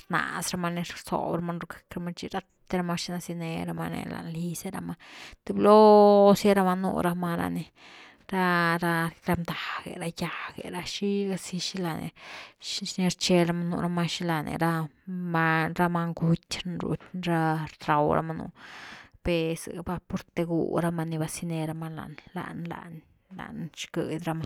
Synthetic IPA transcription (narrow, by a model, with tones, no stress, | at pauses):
ɾna̰˨sɾa˧ma˧ne˧ɾso̰˧˨bɾa˧ma˦nɾu˧ke̥˨kɾa˧ma˧t͡ʃḭ˧ɾa˦t̪e˧˦ɾa˧ma˧ʃi˦na˧si˧ne˧ɾa˧ma˧nḛ˧la̰˨nli˧se˧ɾa̰˧ma˧t̪i˧blo˦se˦ɾa˧ma˧nṵ˧ɾa˧ma˧ɾa̰˧ni˧ | ɾa˧ɾa˧ɾa˧md̪a˨ɡḛ˨ɾa˧ja˨ɡḛ˨ɾa˧ʃi˦ɡa˧si˧ʃi˦la˧nḛ˨ʃʃni˧ɾt͡ʃe˧lɾa˧ma˧nu˧ɾa˧ma˧ʃi˦la˧nḛ˨ɾa˧ma˧ɾa˦ma˧ŋɡu˧t̪ʲɾṵ˨˧ɾa˦ɾt̪ɾa˨˧wɾʔa̰˧ma˧nṵ˧pe˨sba˧pu˧ɾt̪e˧ɡṵ˧˨ɾa˧ma˧ni˧ba˧si˧ne˧ɾa˧ma˧la̰˧nla̰˧nla̰˧n | la̰˧˨nʃɡɨ˧d̪ʲɾa˧ma˧